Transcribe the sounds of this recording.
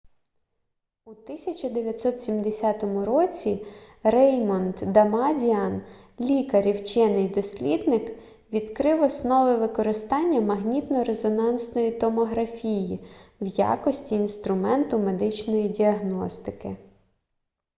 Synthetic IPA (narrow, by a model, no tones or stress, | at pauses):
ut̪ɪsʲɐt͡ʃɐd̪eʋʲjɐt̪sɔt̪sʲimd̪esʲat̪ɔmʊɾɔt͡sʲirɛjmɔnd̪d̪ɐmɑdʲian | lʲikɐɾʲiwt͡ʃɛnɪjd̪ɔsʲlʲid̪nɪk | ʋʲid̪kɾɪwɔsnɔʋɪʋɪkɔɾɪst̪ɑnʲːɐmɐɦnʲit̪nɔɾezɔnɑnsnɔjit̪ɔmɔɦɾɐfʲijiwja̰kɔsʲtʲiːnst̪ɾʊmɛnt̪ʊme̞d̪ɪt͡ʃnɔjidʲiɐɦnɔst̪ɪkɪ